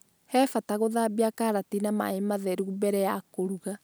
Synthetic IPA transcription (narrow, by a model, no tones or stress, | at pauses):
hɛfataɣoðabiakaɾatinama̰emaðɛɾuubɛɾɛjakoɾuɣa